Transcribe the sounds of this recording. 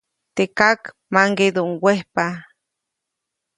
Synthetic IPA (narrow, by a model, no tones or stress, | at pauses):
t̪ekak | maŋɡed̪uŋwehpa